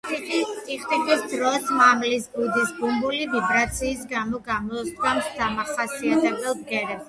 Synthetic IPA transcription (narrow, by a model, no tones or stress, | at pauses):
iit̪ʼiχt̪ʼitʼisd̪ɾɔsmamlisbud̪isbumbulivibɾat̪sʰiːsɡamɔɡamɔsd̪ɡamsd̪amaχasiat̪ʰɛbɛlˠb̪̚ɡɛɾɛs